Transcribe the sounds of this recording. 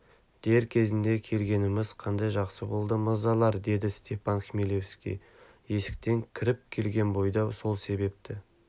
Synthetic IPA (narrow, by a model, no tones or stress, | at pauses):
d̪̥e̞ɾkʲʰe̞zɪnd̪e̞kʲʰe̞lɡʲe̞nɪmɪzqʰɑnd̪ɑjʒɑqsəbo̞lˠd̪əməzɑlˠɑɾd̪e̞d̪ɪst̪ʲe̞fɑnχʲimilʲefskʲḭ | je̞sɪ̥k̚t̪e̞ŋkʲʰɪɾɪp̚kʲʰe̞lɡʲe̞nbo̞jd̪ɑwso̞lˠse̞be̞p̚t̪ɪ